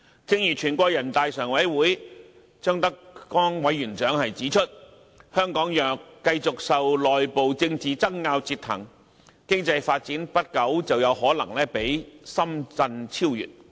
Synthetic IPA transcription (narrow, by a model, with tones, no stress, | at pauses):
t͡sɪ˧ŋjyː˨˩t͡ʃʰyː˨˩nkʷɔː˧k̚jɐ˨˩nt̪aː˨jsœː˨˩ŋwɐ˨˥jwuː˨˥j | t͡ʃœː˥ŋt̪ɐ˥kkɔː˥ŋwɐ˨˥jːyː˨˩nt͡ʃœː˨˥ŋhɐ˨jt͡siː˨˥t͡ʃʰɵ˥t̚ | hœː˥ŋkɔː˨˥ŋjœː˨kːɐ˧jt͡sʊ˨k̚sɐ˨wlɔː˨jpo˨wt͡sɪ˧ŋt͡siː˨t͡sɐ˥ŋːaː˧wt͡siː˧t̪ʰɐ̰˨˩ŋ | kɪ˥ŋt͡sɐ˧jfaː˧t̚t͡siː˨˥npɐ˥t̚kɐ˨˥wt͡sɐ˨wjɐ˨˧whɔː˨˥lɐ̰˨˩ŋlɛː˥pe˨˥jsɐ˥mt͡sɐ˧nt͡sʰiː˥wjy̰ː˨˩t̚